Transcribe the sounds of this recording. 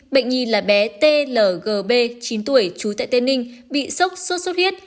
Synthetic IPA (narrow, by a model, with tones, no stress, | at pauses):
ɓə̰˧˨jŋ̟ŋi˨˩laː˨˩ɓɛ˨˦t̪e˧ləː˧˩ɣəː˨˩ɓe˧t͡ɕi˨˦nt̪u˧˩əjt͡ɕu˨˦t̪a̰ː˧˨jt̪e˧nï˧ŋ̟ | ɓḭ˧˨sə˦˥wt̚so˦˥t̚so˦˥t̚hi˦˥ət̚